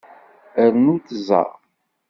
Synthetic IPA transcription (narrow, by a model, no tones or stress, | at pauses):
əɾnuθzˤɑ̰